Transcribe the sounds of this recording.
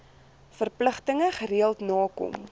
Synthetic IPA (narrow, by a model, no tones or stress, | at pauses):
fərpləχtəŋəχəɾiəlˠtnɑːkɔ̰m